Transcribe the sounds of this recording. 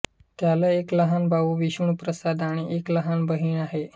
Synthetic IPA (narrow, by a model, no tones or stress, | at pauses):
t̪jalaekləɦanbʱaʋuːʋiɕuɳpɾəsad̪aɽ̃iʔekləɦanbəɦiːɳaɦe